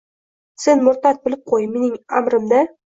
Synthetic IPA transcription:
se̞nmʊɾt̪at̪̚bɪlɪp̚qʰojme̞nɪŋamɾɪmd̪a

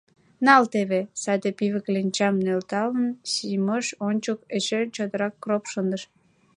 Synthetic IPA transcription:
nɑlt̪eβesæd̪epiβəklenʲt͡ɕɑmnølt̪ɑlənɕiməʃonʲt͡ɕoket͡ɕet͡ɕod̪əɾɑkːropʃənd̪əʃ

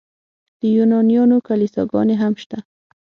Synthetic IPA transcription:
d̪̥əjunɑnijɑnokalisɑ̰ɡɑ̰neɦamʃt̪a

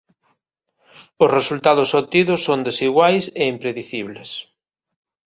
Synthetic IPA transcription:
ʊsresult̪aðʊsot̪iðʊsːond̪esiɣwajseimpɾeðiθiβles

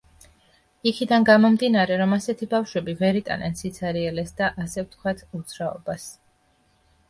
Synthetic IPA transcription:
ikʰid̪anɡamɔmd̪inaɾɛɾɔmasɛt̪ʰibafʃwɛbivɛɾit̪ʼa̰nɛnsit̪sʰaɾiɛlɛsd̪aʔasɛft̪ʰkʰwat̪ʰut̪sʰɾaɔbas

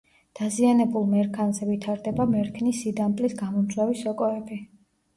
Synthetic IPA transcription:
d̪̥azianɛbulˠmɛɾkʰanzɛvit̪ʰaɾd̪ɛbamɛɾkʰnisːid̪amt̪ʼlisɡamɔmd̪zʼwavisɔkʼɔɛbi

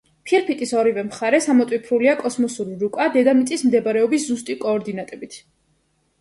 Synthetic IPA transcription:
pʰiɾpʰit̪ʼisɔɾivɛmχaɾɛsamɔt̪ʼwipʰɾuliakʼɔsmɔsuɾiɾukʼad̪ɛd̪amit̪sʼismd̪ɛbaɾɛɔbiszust̪ʼikʼɔːɾd̪inat̪ʼɛbit̪ʰ

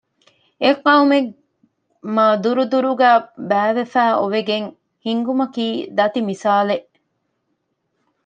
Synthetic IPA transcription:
ekɐume | mɐd̪uɾud̪uɾuɡæːbæːʋefæːʔoʋeɡeŋ | hiŋɡumɐkiːd̪ɐt̪imisaːleʔ

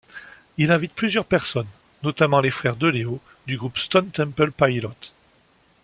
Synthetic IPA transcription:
ilɛ̃vit̪̚plyzjœʁpɛʁsɔnː | ɔt̪amɑ̃lefχɛʁd̪əleo | d̪yɡʁupst̪ɔnt̪ɛ̃mpəlpajlɔt̪

